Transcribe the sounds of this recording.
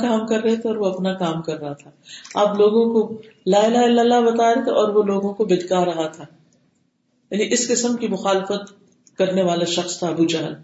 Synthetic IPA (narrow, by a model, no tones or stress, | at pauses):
kaːmkɐɾːɐɦet̪ʰeɔːɾʋoɐpnakaːmkɐɾːɐɦat̪ʰaaːploːɡõko | laːɪlaːɪlalːabɐt̪aːɾeet̪ʰeɔːɾʋoloːɡõkobɪd̪kaɾɐɦat̪ʰaː | jaːniʔɪskɪsəmkimʊxaːlɪfət̪ | kɐɾneʋaːlaʃɐxst̪ʰaɐbud͡ʒɐɦəl